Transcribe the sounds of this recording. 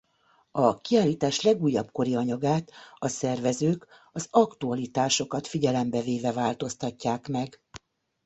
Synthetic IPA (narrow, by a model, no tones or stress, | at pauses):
ɒkiaːlːiːt̪aːʃlɛɡuːjːɒbko̞ɾiɒɲɒɡaːt̪ɒsɛrvɛzøːk | ɒzɒkt̪uɒlit̪aːʃo̞kɒt̪fiɟɛlɛmbɛveːvɛvaːlt̪o̞st̪ɒcːaːkmɛɡ